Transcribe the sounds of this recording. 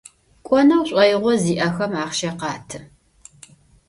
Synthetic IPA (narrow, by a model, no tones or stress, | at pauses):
kʷʼɔnɐwɕʷʼɐjʁʷɔziːʔɐxɐmaːχʃɐqɑːtʰɨ